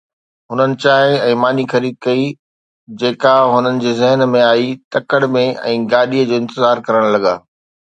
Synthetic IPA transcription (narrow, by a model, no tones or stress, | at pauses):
ɦʊnənɪ̆t͡ɕaːɦɪ̃ɛ̃ːmaːnixɐɾiːd̪̚kɐi | d͡ʑeːkaɦʊnənɪ̆d͡ʑeːzɛɦənmẽaːit̪ɐkəɽmẽɛ̰̃ːɡaːɗiəd͡ʑoːɪ̃nt̪ɪzaːɾkɐɾəɽ̃lɐɠaː